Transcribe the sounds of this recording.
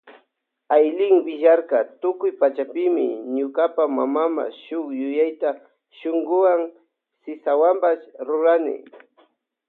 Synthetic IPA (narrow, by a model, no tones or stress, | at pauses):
ajlɪŋwɪʒaɾkat̪ʊkʊjpat͡ʃapɪmɪ̰ɲʊkapama̰mama̰ʃʊkjʊjajt̪a | ʃʊŋɡʊwaŋ | sɪsawambaʃɾʊɾanɪ̰